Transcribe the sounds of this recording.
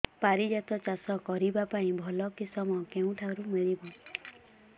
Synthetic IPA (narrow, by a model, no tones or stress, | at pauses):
paɾid͡ʒat̪ɔt͡ʃasɔkɔɾibapaĩbʱɔlɔkisɔmɔkeũʈʰaɾumiɭibɔ